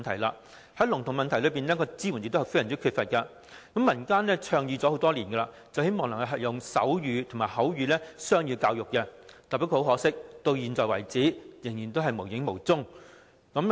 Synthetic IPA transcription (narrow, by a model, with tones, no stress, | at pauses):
nt̪ʰɐ˨˩jla̰ː˧ | hɐ˨˥jlʊ˨˩ŋt̪ʰʊ˨˩ŋmɐ˨nt̪ʰɐ˨˩jlɵ˨˧ɥpiː˨nɛː˥kɔː˧t͡siː˥wu˨˩njk̚t̪oː˥˨fjɐ˨˩t͡si˥kʰy˧tfɐ˨t̚kɐ˧ | kɐ˨˥mːɐ˨˩nkaː˥nlɛː˥t͡ʃʰœː˧ŋjiː˧t͡sɔː˨˥ho˨˥wt̪ɔː˥liː˨˩nɡɛ˧la̰ː˧ | t͡sɐ˨˩whe˥jmɔː˨ŋnɐ˨˩ŋhɐ˧ɦɐ˨t̚jʊ˨˩ŋsɐ̰˨˥wjyː˨˧t̪ʰʊ˨˩maː˨˩jɦɐ˨˥wjyː˨˧lɛː˥sœː˥ŋjyː˨˧kaː˧wjʊ˨k̚ːɛ˧t̪ɐː˨˩pi˥k̚ho˨˧˥wɦɔː˨˥sɪ˥k̚t̪o˧wjiː˨nt͡sɔː˨jwɐ̰˨˩jt͡siː˨˥jɪ˨˩ŋjiː˨˩nt̪o˥ɦɐ˨jmo˨˩wjɪ˨˥ŋmo˨˩wt͡sʊ˥ŋ | kɐ˨˥m